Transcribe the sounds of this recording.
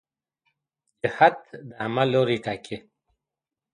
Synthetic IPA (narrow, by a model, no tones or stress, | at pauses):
d͡ʒəhat̪d̪amaloɾiʈakʰe